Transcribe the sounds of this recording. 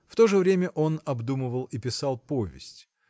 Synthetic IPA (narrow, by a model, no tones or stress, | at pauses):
ft̪o̞ʐɨvɾʲemʲəʔo̞nɐbd̪uməvəlˠipʲɪsɑlˠpovʲɪ̰sʲtʲ